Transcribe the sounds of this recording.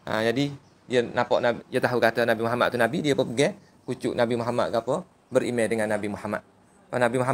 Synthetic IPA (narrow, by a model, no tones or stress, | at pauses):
ə̰d͡ʒadi | diənapɔ̰ʔnaiat̪aɦukat̪anabimuɦama̰ʔ̚t̪ːunabidiapəbəɡɛ | kut͡ʃʊ̰ʔnabimuɦama̰t̪̚kapə | bəɾimedəŋanːabimuhama̰t̪̚ | panabimuɦa